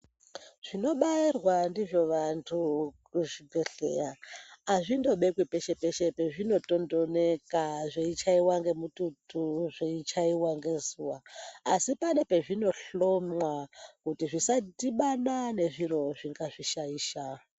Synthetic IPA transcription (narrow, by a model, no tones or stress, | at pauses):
ʐ̥ino̞ɓairwandiʐo̞ʋantʰu | uʐibe̞ɬḛɾaːʐindo̞ɓe̞kwipeʃepe̞ʃepeʐino̞to̞ndo̞nekaʐeit͡ʃaiwaŋɡe̞mututuʐeit͡ʃaiwaŋɡe̞zuwaːsipane̞pe̞ʐino̞ɬomwakutiʐisatiɓanane̞ʐiɾo̞ʐiŋɡaʐiʃaiːʃa